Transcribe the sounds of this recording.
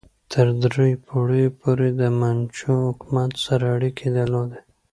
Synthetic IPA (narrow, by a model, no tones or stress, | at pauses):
t̪ʰəɾd̪ɾejpʰoɽəjopoɾed̪əmant͡ʃõʊkmat̪saɾaːɽikʰed̪əlod̪e